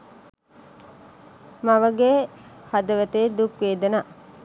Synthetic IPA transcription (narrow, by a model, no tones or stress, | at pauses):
maʋəɡehad̪əʋət̪ed̪ukʋeːd̪əna